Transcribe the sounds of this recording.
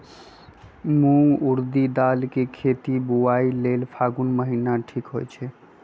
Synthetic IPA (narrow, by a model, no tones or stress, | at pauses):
muŋɡuɾd̪id̪alkekʰet̪ibuailelpʰaɡunməɦinaʈʰikɦo̰jt͡ʃʰɛ